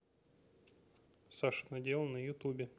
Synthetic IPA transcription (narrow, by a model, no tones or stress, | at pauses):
saʂɨnɐdʲelˠnəjʊt̪ubʲɪ